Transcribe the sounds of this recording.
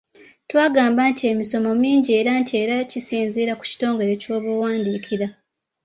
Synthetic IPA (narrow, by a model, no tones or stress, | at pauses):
twaːɡaːmbantie̞miso̞mo̞miːɲɟie̞ːɾantʰie̞ːɾacisiːnziːɾaku̥ci̥to̞ːŋɡe̞ɾe̞co̞ːβuwaːndiːkʰiɾa